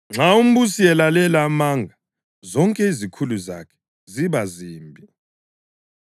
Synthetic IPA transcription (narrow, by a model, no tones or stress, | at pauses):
ŋ͡ǁʱaum̩busiɛlalɛlamaŋɡʱa | zɔŋkʼɛizikʰuluza̰kʰɛ̥ | ziβaziːmbʱi